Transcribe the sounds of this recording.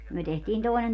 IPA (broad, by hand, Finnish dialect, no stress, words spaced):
myø tehtiːn toˑenen